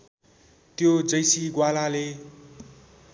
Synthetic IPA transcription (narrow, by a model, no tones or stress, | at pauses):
t̪jod͡zʌjsiɡwalale